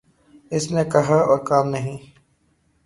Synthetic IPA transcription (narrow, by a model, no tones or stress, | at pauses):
ɪsnekɐɦaɔːɾkaːmnɐɦĩː